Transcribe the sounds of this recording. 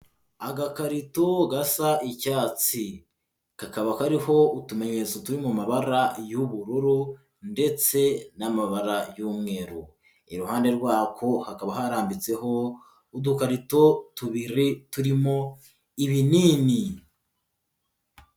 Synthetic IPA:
aɡakaɾito̞ɡasaicaːt͡si | kakaβakaɾiho̞utume̞ɲe̞t͡sotuɾimumaβaɾajuβuɾuɾu | nde̞t͡se̞namaβaɾajuːmŋe̞ːɾu | iɾuhaːnde̞ɾɡwaːkʰo̞hakaβahaɾaːmbit͡se̞ho̞ | udukaɾito̞tuβiɾituɾimo̞ | iβiniːni

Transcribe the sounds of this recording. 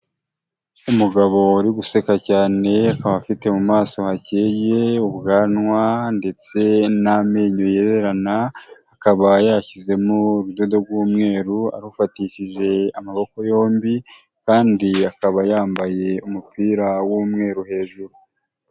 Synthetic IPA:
umuɡaβo̞ɾiɡuse̞kacaːne̞akaβafite̞mumaːso̞haceje̞ubɡaːnŋwande̞t͡se̞nameːɲo̞je̞ɾe̞ɾanaː | kaβajaːçize̞moɾudodoɾɡwuːmŋe̞ːɾua̰ɾufatiʃiʒe̞amaβo̞ko̞jo̞ːmbi | kaːndiakaβajaːmbaje̞umupiːɾawuːmŋe̞ːɾuhe̞ːʒuɾu

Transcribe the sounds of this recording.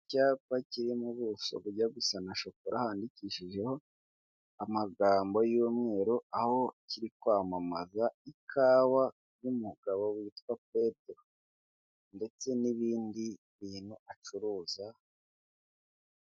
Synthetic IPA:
caːpaciɾimuβuso̰βuɾɟaɡusanaʃokoɾʔahaːndiciʃiʒe̞ho̞ | amaɡaːmbo̞jomŋe̞ːɾo̞aho̞ciɾikwaːmamazaikʰaːwa | jumuɡ̥aβo̞wiːtkwape̞teɾo | nde̞t͡se̞niβiːndi | βiːnhuat͡ʃuɾuːza

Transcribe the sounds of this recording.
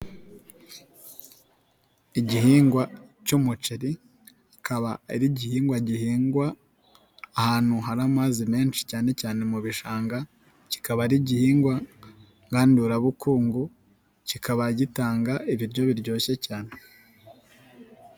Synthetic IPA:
iɟihiːŋɡwacumut͡ʃiɾi | kaβaiɾiɟihiːŋɡwaɟihiːŋɡwaː | haːn̥huɦaɾamaːzime̞ːnʃi̥caːne̞caːne̞muβiʃaːŋɡa | ci̥kaβaɾiɟihiːŋɡwa | ŋɡaːnduːɾaβukuːŋɡu | cikaβaɟitaːŋɡaiβiɾɟo̞βiɾɟo̞ːçe̞caːne

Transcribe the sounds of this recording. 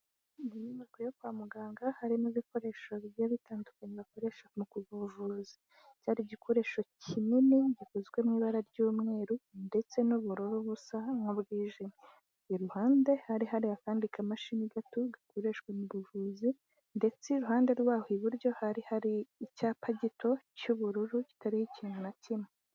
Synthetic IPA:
dinimakuojokwaːmuɡaːŋɡahaɾimuβiko̞ɾe̞ːʃoββjaβitaːndukaɲeβako̞ɾe̞ːʃamukuβuvuzi̥ | caɾiɟikʰo̞ɾe̞ːʃo̞cʰininiɟikozɡwe̞mŋiːβaɾaɾɟuːmŋe̞ːɾunde̞t͡se̞nuβuɾo̞ɾoβusamŋobɡiːʒimi | iɾuhaːnde̞haɾiɦaɾiakaːndikʰamaʃimiɡatoɡakoɾe̞ːʃkwemuβuvuzi | nde̞t͡seɾuɦaːndeɾwaːhoiβuɾɟo̞haɾihaɾiːcaːpaɟitʰo̞cuβuɾuɾuci̥taɾihicinanacime

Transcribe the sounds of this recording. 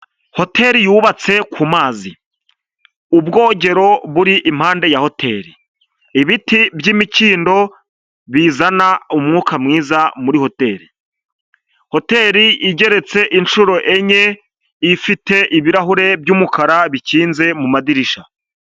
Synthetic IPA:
ho̞tʰe̞ɾijuβat͡se̞kʰumaːzi | ubɡo̞ːɟe̞ɾo̞βuɾiʔim̥haːnde̞jaho̞tʰe̞ɾi | iβitibjiːmiciːndo̞ | βizanaumŋuːkamŋiːzamuɾiho̞te̞ɾi | ho̞te̞ːɾiʔiɟe̞ɾe̞t͡se̞ʔint͡ʃuɾo̞ʔe̞ɲe̞ | ifite̞ʔiβiɾaɦuɾe̞bjuːmukʰaɾaβiciːnze̞mumadiɾiʃa

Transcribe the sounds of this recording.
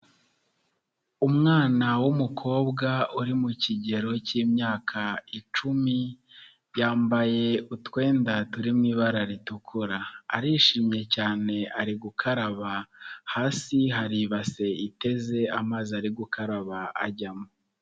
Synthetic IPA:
umŋaːnawumukʰo̞ːbɡauɾimuciɟe̞ɾo̞ciːmɲaːkʰait͡ʃumi | jaːmbaje̞utwe̞ːndatuɾimŋiːβaɾaɾitukʰuɾaːɾiːʃiːmɲe̞caːne̞aɾiɡukʰaɾaβahaːsiɦaɾiβase̞ite̞ze̞amaːziaɾiɡukʰaɾaβaa̰ɟamo

